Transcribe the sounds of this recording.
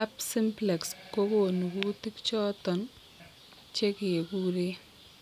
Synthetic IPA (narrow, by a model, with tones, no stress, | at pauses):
a˦p̚sɪ˦mplɛ˨ksko˦ko˦˨nu˨ku˦tɪ˦kt͡ʃɔ˦tɔ˨n | t͡ʃe˦ke˨kuː˦ɾe˦